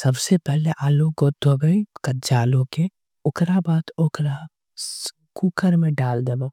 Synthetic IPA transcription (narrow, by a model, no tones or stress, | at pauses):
sɐbsepɛɦleʔaːlõkod̪ʱoɡəikɐd͡ʒaːlõke | ʊkɾabaːt̪ʊkɾa | kuːkəɾmẽɖaːld̪eba